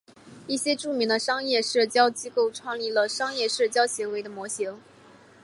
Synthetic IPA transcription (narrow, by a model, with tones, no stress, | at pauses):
i˥˩ɕjɛ˥ʈ͡ʂu˥˩mi˧˥ŋd̪ə˧ʂɑ˥ŋjɛ˥˧ʂɻ̩˥˩t͡ɕjɑ˥ʊt͡ɕi˥ko˥˩ʊʈ͡ʂʰwɑ˥˩ŋli˥˩lə˨ʂɑ˥ŋjɛ˥˧ʂɻ̩˥˩t͡ɕjɑ˥ʊɕi˧˥ŋwe˧˥ɪd̪ə˧mwɔ˧˥ɕi˧˥ŋ